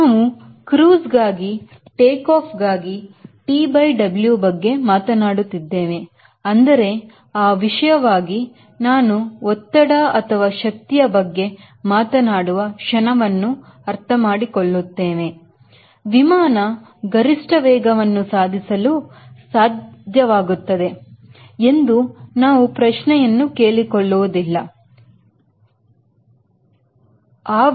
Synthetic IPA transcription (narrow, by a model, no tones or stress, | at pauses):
naːʋu | kɾuːsɡaːɡi | ʈeːkaːpʰɡaːɡiʈiːbɐjɖɐbljubɐɡːe̞maːt̪ɐnaːɽut̪ːid̪ːeːʋe̞ | ɐnd̪ɐɾe̞ | aːʋiʂɐjɐʋaːɡi | naːnuɔt̪ːɐɽɐɐt̪ʰɐʋaːʃɐk̚t̪ijɐbɐɡːe̞ | maːt̪ɐnaːɽuʋɐʃɐnɐʋɐnːuɐɾt̪ʰɐmaːɽikoɭːut̪ːeːʋe̞ | ʋimaːnɐ | ɡɐɾiʂʈɐʋɛːɡɐʋɐnːusaːd̪ʱisɐlusaːd̪d̪ʱjɐʋaːɡut̪ːɐd̪e̞ | e̞nd̪unaːʋupɾɐʃnɛjɐnːuke̞ːɭikoɭːuʋud̪ilːɐ | aː